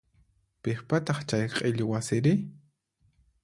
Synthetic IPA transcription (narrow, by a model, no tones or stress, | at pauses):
peχpat̪aχt͡ʃajqʼiliwasiɾi